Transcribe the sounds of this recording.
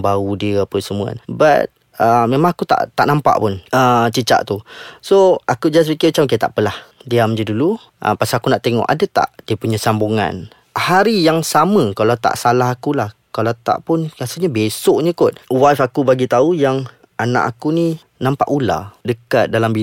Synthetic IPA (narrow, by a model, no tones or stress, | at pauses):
baudiəapəsəmua̰nba̰t̪̚ | əmemãŋakut̪a̰ʔt̪aʔnampa̰ʔpʊnət͡ʃət͡ʃa̰ʔt̪usoakud͡ʒaas̬pikɪmət͡ʃamkit̪a̰ʔpəlahdiamd͡ʒədulu | ʔə̰pasaakunaʔt̪eŋɔ̰ʔa̰dat̪a̰ʔdiəpuɲasambuŋa̰n | haɾijaŋsamə̃kalawt̪a̰ʔsalaɦakulahkalawt̪a̰ʔpʊnkasəɲəbesoʔɲə̃kʊt̪̚wafakubaɡit̪aujaŋ | anã̰ʔakuni | nampa̰ʔula̰dəkat̪̚dalambi